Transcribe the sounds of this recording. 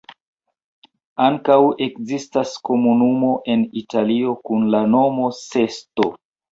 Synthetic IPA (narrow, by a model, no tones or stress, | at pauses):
aŋkawe̞kzistasko̞munumo̞ʔe̞nitalio̞kunlano̞mo̞se̞sto